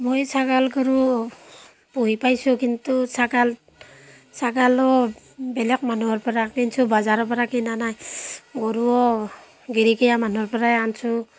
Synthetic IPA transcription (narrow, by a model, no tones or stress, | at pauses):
mɔjsaɡalɡɔɾu | puɦipajsukintusaɡal | saɡalɔ | bɛlɛk̚manuɔɾpɔɾakinsubazaɾɔpɔɾakinanajɡɔɾuɔ | ɡiɾiɡijamanɔɾpɔɾajansu